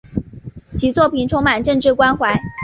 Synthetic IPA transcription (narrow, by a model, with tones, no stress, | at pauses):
t͡ɕʰi˧˥˩t͡swɔ˥˩pʰi˨˩nʈ͡ʂʰʊ˥ŋma˨˩nʈ͡ʂɤ˥˧ŋʈ͡ʂɻ̩˥˩kwa˥nxwa˧˥ɪ